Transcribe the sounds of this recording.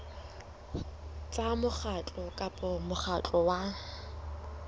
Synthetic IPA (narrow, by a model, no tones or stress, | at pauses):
t͡sʼamʊχʰat͡ɬʼɔkʼapʼɔmʊχat͡ɬʼɔwa